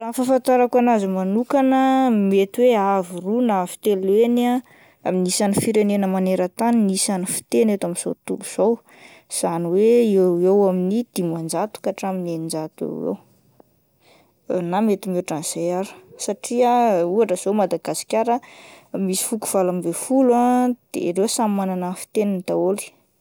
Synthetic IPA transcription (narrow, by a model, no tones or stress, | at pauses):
raːnfafant̪aɾakanazimanukanəmet̪iweavirunavi̥t̪elena | aminisanifiɾenenəmaneɾət̪aninisanifi̥t̪enet̪amiz̥o̰t̪uluz̥ow | z̥aniweewewaminid̪̥imand͡ʒat̪u̥kaʈ͡ʂamineind͡zat̪uḛwḛw | namet̪imeʈ͡ʂanz̥ejaɾu̥saʈ͡ʂiauaʈ͡ʂəz̥omad̪aɡasi̥kʲaɾəmisi̥fuku̥v̥alambefulad̪̥ḛɾewsammananafi̥t̪enint̪aoli̥